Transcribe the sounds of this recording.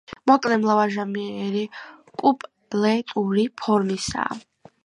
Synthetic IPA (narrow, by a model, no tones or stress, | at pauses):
mɔkʼlɛmlavaʒamiɛɛɾikʼupʼ | lɛt̪ʼuɾipʰɔɾmisa̰ː